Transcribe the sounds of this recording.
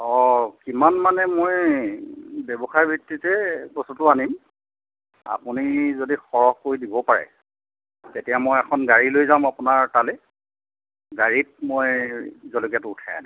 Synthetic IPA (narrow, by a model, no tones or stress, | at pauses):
ɔkimanmanɛmoj | bebɔxaɹbʱiktːitɛbɔsɔtʊanim | a̰punizodixɔɹɔhkoɹidibɔpaɹɛ̰ | tetijamojɛkʰɔnɡaɹilojzãmapʊnaɹtalɛ | ɡaɹit̚mojzɔlokijatʊːtʰaja̰na